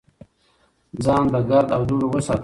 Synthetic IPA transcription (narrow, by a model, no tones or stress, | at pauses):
d͡zɑːnd̪əɡaɾd̪awd̪uɾowəsɑːt̪